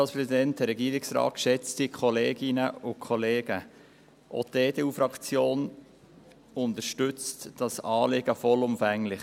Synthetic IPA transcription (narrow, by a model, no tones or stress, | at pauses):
ɑlspɾɛsidɛnt̚dəɾɛɡiːɾɪksɾɑ̰ːtʃɛt͡stikʰɔleːɡɪnəʊkʰɔleːɡ̥ə | ʔo̰deːd̥euːfɾɑkt͡sjoːn | ʊnt̪əɾʃtʏt͡std̥ɑsɑːlɪɡ̥əfɔlʊmfæŋlɪχ